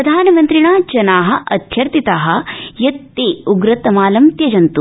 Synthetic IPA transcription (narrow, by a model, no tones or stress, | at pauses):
ɾɐd̪ʱaːnɐmɐnt̪ɾiɳaːd͡ʒɐnaːɦɐ̆ʔɐd̪ʰʱjɐɾt̪it̪aːɦɐ̆jɐt̪ːeːuɡɾɐt̪ɐmaːlɐmt̪jɐd͡ʒɐnt̪u